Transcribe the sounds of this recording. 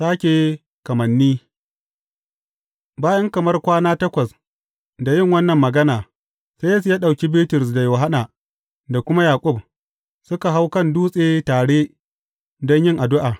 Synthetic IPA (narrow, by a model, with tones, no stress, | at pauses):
saː˦kʲeː˨ | kɐ˨mɐ˨nːiː˦ | baː˦jɐ˦ŋkɐ˨mɐ˦rkʷaː˦naː˦tɐ˦kʷɐ˨s | da˨jɪ˦˨ŋwɐ˦nːɐ˨mːɐ˨ɡɐ˦naː˨ | sa˦jɐ˦s̬u˨jaː˦ɗa˨wkʲi˦biː˦tʊ˨rsda˨joː˨ɦa˦naː˨ | da˨kʷʊ˦ma˦jaː˨kʷʼʊ˦b̚ | sʊ˦ka˨ɦa˦wkɐ˦nduː˦sʼeː˦taː˨ɽeː˦ | dɔ˦ɲjɪ˦˨ŋʔa˨dʊ˦ʔaː˨